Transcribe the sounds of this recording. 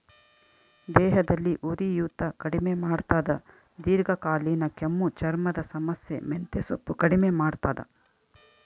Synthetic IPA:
d̪ɛːɦɐd̪ɐlːiʔuɾijuːt̪ɐkɐɽimemaːɽt̪aːd̪ɐ | d̪iːɾɡɐkaːliːnɐkemːut͡ʃɐɾmɐd̪ɐsɐmɐsjḛment̪esopːukɐɽimemaːɽt̪aːd̪ɐ̰

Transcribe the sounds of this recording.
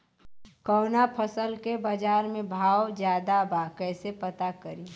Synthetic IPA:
kɔːnapʰəsəlkebəd͡ʒaːɾmẽbʱaːwd͡ʒjaːd̪abakɛːsepət̪akəɾi

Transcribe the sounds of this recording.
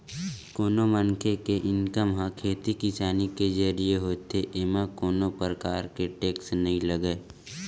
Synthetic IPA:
koːnomənkʰekeʔɪnkəmɦãkʰeːt̪ikɪsaːniked͡ʒəɾieɦoːt̪eʔemãkoːnopɾəkaːɾkeʈeːksnɐɦĩləɡəː

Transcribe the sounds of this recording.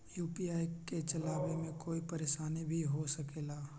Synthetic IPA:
juːpiaːiket͡ʃɐlaːbemẽkoːipɐɾeːʃaːnibʱiɦosɐkeːlaː

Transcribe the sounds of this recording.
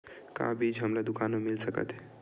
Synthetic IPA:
ka̰bid͡ʒɦəmlad̪ʊkanemɪlsəkə̰t̪ɦɛ

